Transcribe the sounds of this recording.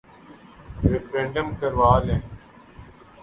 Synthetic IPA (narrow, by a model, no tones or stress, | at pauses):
ɾefɾẽːɳɖəmkəɾʋaːlẽː